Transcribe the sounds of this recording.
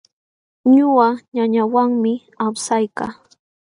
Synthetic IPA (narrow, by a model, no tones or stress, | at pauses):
ɲʊaɲaɲawaŋmɪ | awsajka̰ː